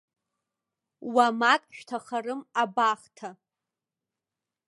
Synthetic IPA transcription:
wamakʼʃᶣtʰaχarɨmabaχtʰa

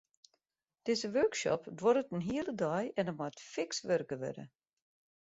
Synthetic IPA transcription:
d̥ɪzəʋøːkʃɔ̰pdwɔɾətənɦiəlˠədɔjɛnəmatfɪksʋørkəʋø̰də̰

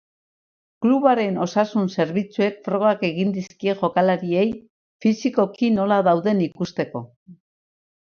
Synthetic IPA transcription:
kluβaɾe̞no̞sasunse̞ɾβit͡sue̞kfɾo̞ɣ̞ake̞ɣind̪iskie̞ʝo̞kalaɾie̞j | fisiko̞kino̞laðawðe̞nikust̪e̞ko̞̰

